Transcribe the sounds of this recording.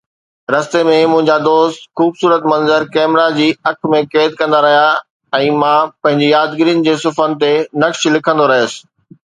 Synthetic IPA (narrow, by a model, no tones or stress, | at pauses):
ɾɐst̪emẽmʊ̃ɦɪ̃ɲd͡ʑad̪oːst̪xuːbsuːɾət̪mɐ̃nzəɾkɛːmɾad͡ʑiːɐkʰmẽkeːd̪̚kɐ̃nd̪aɾɐɦija | ɛ̃ːmãːpɐ̃ɦɪ̃ɲd͡ʑijaːd̪ɡɪɾijənɪ̆d͡ʑeːsʊfənɪ̆t̪enɐkʃlɪkʰə̃nd̪oɾɐɦjəsɪ̥̆